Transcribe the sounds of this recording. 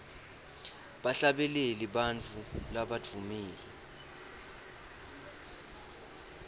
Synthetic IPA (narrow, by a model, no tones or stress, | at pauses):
ɓaɬaɓɛleliɓant͡fʰulaɓad̥ʱumiːlɛ